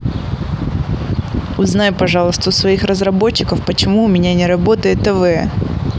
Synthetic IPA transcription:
ʊznajʊpɐʐɑlˠəst̪vəsvɐixrəzɾɐbo̞t͡ɕːɪkəfpət͡ɕɪmuʊmʲɪnʲanʲɪɾɐbo̞t̪əjɪt̪ːɛvɛ

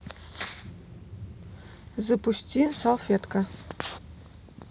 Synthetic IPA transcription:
zɤ̆pusʲtʲisalˠfʲet̪ka

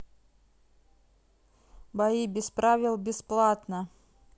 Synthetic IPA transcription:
baibʲɪspɾavʲɪlˠbʲɪsplˠat̪nə

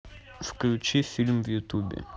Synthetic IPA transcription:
fklʲut͡ʃifilmvjut̪ubɛ̰

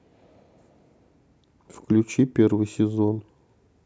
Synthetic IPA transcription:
fklʲʉt͡ɕipʲervɨjsʲɪzon

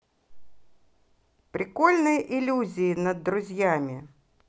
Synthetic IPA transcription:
pɾʲʔɪko̞lʲnɨjəʔɪlʲuzʲɪːnəd̪ːɾʊzʲjamʲɪ

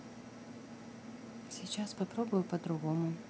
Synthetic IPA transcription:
sʲɪt͡ɕaspɐpɾobʊjʊpəd̪ɾʊɣomʊ

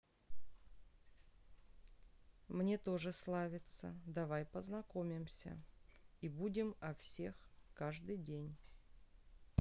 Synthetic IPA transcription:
mnʲe̞t̪o̞ʐɨslˠavʲɪt̪sə̰d̪ɐvajpəznɐko̞mʲɪmsʲə̰ibudʲɪmɐfsʲe̞xkaʐd̪ɨjdʲenʲ

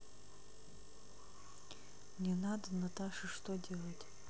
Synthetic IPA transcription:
nʲenad̪anat̪ʰaʂɐʂt̪odʲelˠɐtʲ

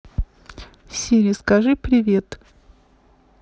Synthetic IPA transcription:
sʲiɾʲɪskɐʐɨpɾʲɪvʲe̞t̪

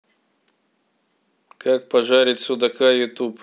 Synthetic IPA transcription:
kak̚pɐʐaɾʲit̪ʲsud̪ɐkajʊt̪up

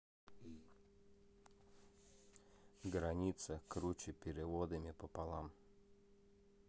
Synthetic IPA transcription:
ɡɾɐnʲit̪sɐkɾut͡ʃɪpʲɪɾʲɪvɔd̪ɨmʲɪpɔpalˠam

